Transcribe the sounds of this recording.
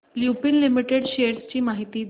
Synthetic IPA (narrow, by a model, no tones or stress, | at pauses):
ljupinlimiʈeɽɕeɾst͡ɕiːmaɦit̪iːd̪